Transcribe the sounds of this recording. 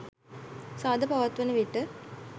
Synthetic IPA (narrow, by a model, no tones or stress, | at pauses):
saːd̪ɐpɐʋɐt̪ʋɐnɯʋiʈːɯ